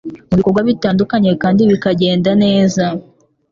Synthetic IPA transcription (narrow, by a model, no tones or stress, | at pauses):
muβiko̞ɡwaβitaːndukaɲe̞kaːndiβikaɟe̞ːndane̞ːza